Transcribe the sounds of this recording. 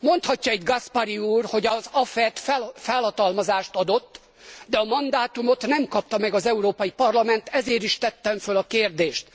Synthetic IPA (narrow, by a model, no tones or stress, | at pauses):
mo̞nt̪hɒcːɒɛɟ̪ɡɒspɒɾiuːrho̞ɟɒzɒfɛt̪fɛfɛlhɒt̪ɒlmɒzaːʃt̪ɒd̪o̞t̪ː | d̪ɛɒmɒnd̪aːt̪umo̞t̪nɛmkɒp̚t̪ɒmɛɡɒzɛuɾoːpɒjipɒrlɒmɛnt̪ɛzeːɾiʃt̪ɛt̪ːɛɱfølɒkeːrd̪eːʃt̪